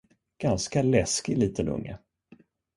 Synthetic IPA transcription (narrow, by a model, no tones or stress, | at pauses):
ɡ̥anskalɛskɪliːt̪ənɵ̰ŋːə̰